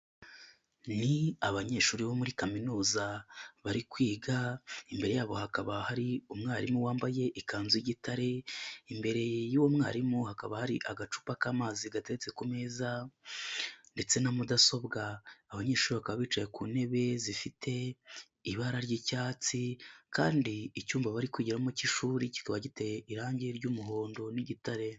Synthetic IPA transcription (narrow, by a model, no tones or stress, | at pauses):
niaβaɲe̞ːʃuːɾiβo̞muɾikaminuːzaβaɾikwiːɡaimbe̞ɾe̞jaːβo̞hakaβahaɾiumŋaːɾimuwaːmbaje̞ʔikaːnzwiɟitaɾe̞imbe̞ɾe̞juwomŋaːɾimuhakaβahaɾiʔaɡat͡ʃu̥ːpakaːmaːziɡate̞ɡet͡se̞kumeːza | nde̞t͡se̞namudaso̞bɡaːβaɲe̞ːʃuːɾiβakaβaβiːt͡ʃaje̞kuːne̞βe̞zifitʰe̞ː | βaɾaɾɟicaːt͡sikaːndiːcuːmbaβaɾikwiɟiɾamuciʃuːɾici̥kaβaɟite̞iɾaːɲɟiɾɟuːmuɦo̞ːndo̞niɟitaɾe̞